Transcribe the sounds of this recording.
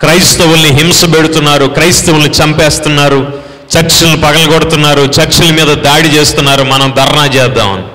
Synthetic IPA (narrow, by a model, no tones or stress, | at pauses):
kɾɐjst̪ɐwulniɦimsɐpeɽut̪unːaːɾukɾɐjst̪ɐwulnit͡ʃɐmpeːst̪unːaːɾu | t͡ʃɐɾt͡ʃilɐnipɐɡɐlɐɡɔɽut̪unːaːɾut͡ʃɐɾt͡ʃilɐmiːd̪ɐd̪aːɽit͡ʃeːst̪unːaːɾumɐnɐmd̪ʱɐɾɳaːt͡ʃɛːd̪ːa̰ːmɐ̰ni